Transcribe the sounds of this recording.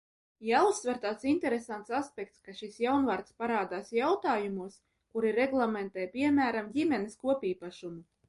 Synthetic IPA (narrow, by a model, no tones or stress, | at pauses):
jaːusːvʲɛɾt̪aːt̪sint̪ɛɾesant̪saspʲɛkt̪skaʃisjawnvaːɾt̪spaɾaːd̪aːsjawt̪aːjumuɔs | kuɾiɾɛɡlˠamʲɛnt̪ɛːpʲiɛmʲæːɾamdʲimʲɛneskuɔpʲiːpaʃumu